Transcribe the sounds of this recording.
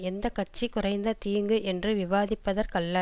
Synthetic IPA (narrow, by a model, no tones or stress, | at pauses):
ɛnd̪ɐkɐr̚t͡ʃikʊrɐɪnd̪ɐt̪iːŋɡɯʔɛndrɯʋɪʋaːðɪpːɐðɐɾkɐɭːɐ